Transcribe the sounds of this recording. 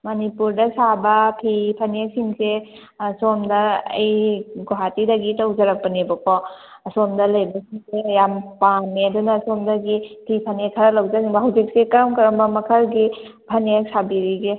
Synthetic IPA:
mɐnipuɾdɐsabɐpʰipʰɐnek̚siŋse | somdɐ̰ːjɡoɦatidɐɡitawzɐɾɐk̚pɐnebɐkɔ | ɐsomdɐlɐjbɐsiŋsejampanːeɐdunasomdɐɡipʰipʰɐnekʰːɐɾɐlawzasiŋbɐɦawzik̚sekamkɐɾɐmbɐmɐkʰɐɾɡi | pʰɐnek̚sabiɾiɡe

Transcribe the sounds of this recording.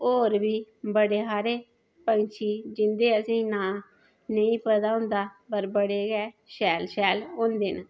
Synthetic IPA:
oːɾbiːbəɽeːɦaːɾeː | pə̃nt͡ʃʰiːd͡ʒɪnd̪eːəsĩːnaː | nəĩːpəd̪aːʊ̃nd̪aːpəɾbəɽeːɡɛː | ʃɛːlʃɛːlõːnd̪eːnaː

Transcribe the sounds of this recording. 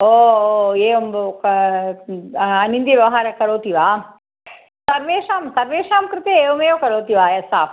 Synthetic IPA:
oːoeːʋɐmk | ɐnind̪jɐʋjɐʋɐɦaːɾɐkɐɾoːt̪iʋaː | t̪ɐɾʋeːʂaːmt̪ɐɾʋeːʂaːmkɾɪt̪eeːʋɐmeːjoːkɐɾoːt̪iʋaːjɐsaːp

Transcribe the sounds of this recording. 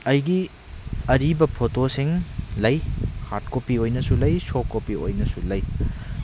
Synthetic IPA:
ɐjɡi | ɐɾibɐpʰotosiŋlɐjhat̚kopiojnɐsulɐjsokːopio̰jnɐsulɐj

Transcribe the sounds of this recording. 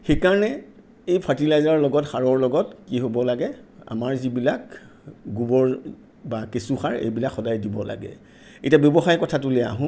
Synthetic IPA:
xejkaɹɔnɛ | ejpʰaɹtilajzaɹlɔɡɔtxaɹɔɹlɔɡɔtkiɦobɔlaɡɛa̰maɹzibilak | ɡubɔɹ | bakesuxaɹḛjbilakxɔdajdibɔla̰ɡɛ̰ | etiabjɔbɔxajkɔtʰatulea̰ɦʊ̃

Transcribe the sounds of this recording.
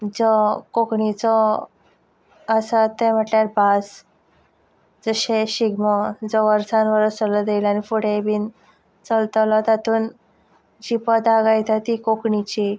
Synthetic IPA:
d͡zɔkokɳit͡sɔ | sat̪ːem̤əʈljaɾbas | d͡zəɕeɕiɡmɔd͡zɔʋəɾsanʋəɾət͡səlɔd̪ejlanifuɽ̤ebiːn | t͡səlt̪lɔt̪at̪uːn | d͡ʑipəd̪aɡajt̪at̪ikokɳit͡ɕi

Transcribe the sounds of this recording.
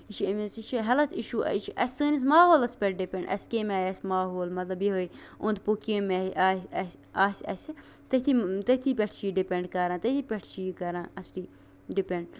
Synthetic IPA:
it͡ʃʰiɐmisiʃiɦɐlɐt̪ʰiʃṵːt͡ʃʰʔɐsʲɨːnis̬maːɦoːlɐspʲɛʈ̚ɖipʲẽɳɖɐ̰sʲkeːmaːjɐsʲmaːɦoːlmɐt̪lɐbjiɦoiõnd̪̚pokẽːmeʔaːɐs | aːsʲɐ̰sʲi | t̪ɐt̪ʰit̪ɐt̪ʰiːpʲeʈʰt͡ʃiːɖipʲẽɳɖkɐɾãːt̪ɐt̪ʰiːpʲɛʈʰt͡ʃiːkɐɾãːɐsʈiː | ɖipẽɳɖ̚

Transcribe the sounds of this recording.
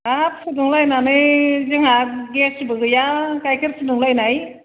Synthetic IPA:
asʰɯdɯŋlajnanɯjzɯŋaɡesbɯɡɯjakajkʰɯɾsʰɯnɯŋlajnaj

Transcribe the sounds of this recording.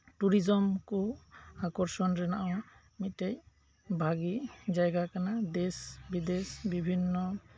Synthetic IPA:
ʈuɾid͡ʒɔmkɔakɔɾsɔnɾɛnaʔaw | mit̪̚tɛj | bʱaɡid͡ʒajɡakanad̪ɛsbid̪esbibʱinːɔ

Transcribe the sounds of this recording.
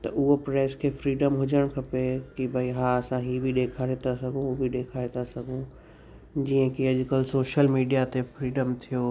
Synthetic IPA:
t̪ɐʔʊɦopɾɛːskʰeːfɾiːɖəmɦʊd͡ʑəɽ̃kʰɐpekibʱɐiɦaɐsãɦiːbʱiɗeːkʰaːɾet̪ʰasɐɡʱõbʱɪɗeːkʰaːɾet̪ʰasɐɡʱũ | d͡ʑiːə̃kiɐʄʊkəlsoːʃəlmiːɖijat̪efɾiːɖəmt̪ʰijoː

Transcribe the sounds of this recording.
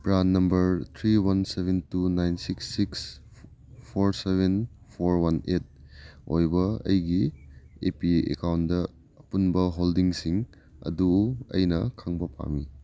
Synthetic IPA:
pɾanːɐmbɐɾt̪ʰɾiwɐnsebʱentunajnsiksːiks | pʰoɾsebʱenpʰoɾwɐnet̚ojbɐɐ̰jɡiepiḛkawndɐː | punbɐɦoldiŋsiŋ | ɐ̰duɐ̰jnɐkʰaŋbɐpa̰mi

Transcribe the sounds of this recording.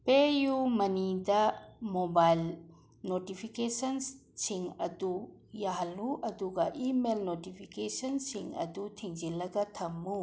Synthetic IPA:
pejumɐnidɐmobajl | notipʰikesɐnsiŋɐ̰d̪ujaɦluʔɐd̪uɡɐʔimelnotipʰikesɐnsiŋɐ̰d̪utʰiŋd͡ʒilɐɡɐt̪ʰɐmːu

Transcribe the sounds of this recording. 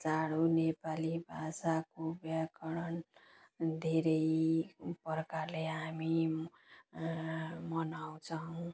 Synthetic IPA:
t͡saɽunepalibʱasakobjakʌɽʌn | d̪ʱeɾʌjpʌrkarleɦami | mʌnaw̃t͡sʰʌw̃

